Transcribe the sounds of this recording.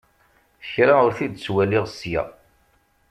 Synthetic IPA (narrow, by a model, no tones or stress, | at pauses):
çɾaʊɾθid̪t͡sːwælɪʁsjæ̰